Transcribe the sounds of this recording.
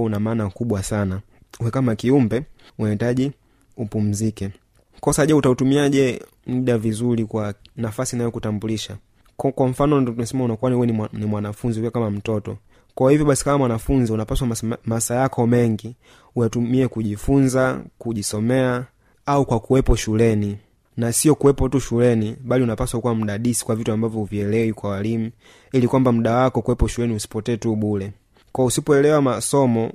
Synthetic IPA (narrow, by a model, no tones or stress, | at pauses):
unamaːnakuɓwasana | uwɛkamakiumbɛ | unahitaʄi | upum̩zikɛ | kɔsaʄɛutautumiaʄɛ | muɗavizulikwanafasinajɔkutambuliʃa | kwam̩fanɔdɔnasɛmaunakuanhuwɛnnimwanafunzikiakamam̩tɔtɔ̰ | kaɔhivjɔɓasi̥kamamwanafunziunapaswamasajakʰɔmɛŋɡi | ujatumiɛkuʄifunzakuʄisɔmɛa | aukwakuwɛpɔʃulɛni | nasiɔkuwɛpɔtuʃulɛniɓaliunapaswaukɔwam̩ɗaɗisi̥kwavituambavjɔuviɛlɛwikwawalimu | ilikwambam̩ɗawakɔkuwɛpɔʃulɛniusi̥pɔtɛːtuɓulɛ | kɔusipɔɛlɛwamasɔmɔ